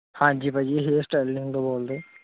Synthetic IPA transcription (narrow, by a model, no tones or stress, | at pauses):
hãːd͡ʒiːpad͡ʒiɦesʈɛːlɪ̃ŋɡt̪oboːld̪eː